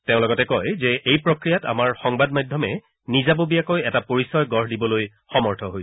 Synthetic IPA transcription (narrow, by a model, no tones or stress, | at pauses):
teʊ̃lɔɡɔtɛkɔjzɛʔejpɹokɹijata̰maɹxɔŋbadmajdʱɔmɛ | nizabobijakojɛtapoɹisɔjɡɔɹdibɔloj | xɔmɔɹtʰɔɦoj